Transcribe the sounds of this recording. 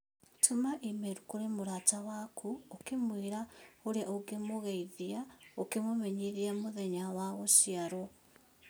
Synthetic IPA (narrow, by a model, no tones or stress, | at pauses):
tʰumaʔimeɾukoɾemoɾatawakʰuokemwieɾaoɾeaʔoɡemoɣaiðiaokemomeɲiðiamoðeɲawaɣosiaɾo